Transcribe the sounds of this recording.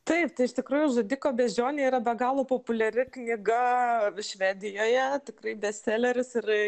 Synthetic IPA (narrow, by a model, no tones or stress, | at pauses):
t̪ɐɪpt̪ɐɪɪʃt̪ʲɪkɾuːjʊʒoːd̪ʲiːkoːbʲɛʒʲoːnʲeiːɾɐbʲɛɡɑːlˠoːpoːpʊlʲɛɾʲɪknʲɪɡɐʃʲʋʲæːd̪ʲɪjoːjɛt̪ʲɪkrɐɪbʲɛsʲæːlʲɛɾʲɪsɪr